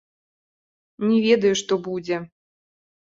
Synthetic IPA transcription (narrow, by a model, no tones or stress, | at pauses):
nʲɛvʲɛd̪ɐjuʂt̪ɔbud͡zʲɛ